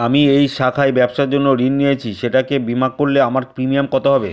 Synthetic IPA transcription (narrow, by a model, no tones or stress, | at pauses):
amiejʃakʰaebɛbʃaɾd͡ʑonːoɾinːijet͡ɕʰiʃeʈakebimakkoɾleamaɾpɾimijamkɔt̪oɦɔbe